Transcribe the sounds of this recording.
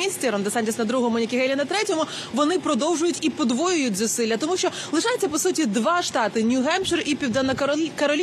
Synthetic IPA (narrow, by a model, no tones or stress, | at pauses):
isʲtʲɛɾɔnd̪ɛsɑnʲtʲisnɐd̪ɾuɦɔmʊnʲikʲɪɦɛlʲinɐt̪ɾɛtʲɔmʊ | ʋɔnɪpɾɔd̪ɔwʒʊjʊtʲipɔd̪ʋɔjʊjʊtʲzʊsɪlʲːɐt̪ɔmuʃt͡ʃɔlˠɪʃɑjɛtʲt͡sʲːɐpɔsutʲid̪ʋɑʃt̪ɑt̪ɪnʲuɦɛmʃɪripʲiwd̪ɐnɐkɐɾɔlʲ